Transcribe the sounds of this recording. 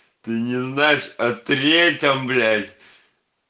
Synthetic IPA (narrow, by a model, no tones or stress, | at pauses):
t̪ɨnʲɪznajɪʂɐt̪ɾʲetʲəmblʲætʲ